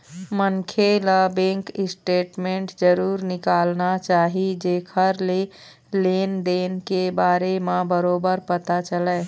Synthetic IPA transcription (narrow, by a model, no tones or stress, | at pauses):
məŋkʰeləbẽŋkisʈeʈmeɳʈd͡ʒəɾuːɾnikalnat͡ʃaɦid͡ʒekʰəɾle | lend̪enkebaɾemebəɾobəɾpət̪at͡ʃəlɛ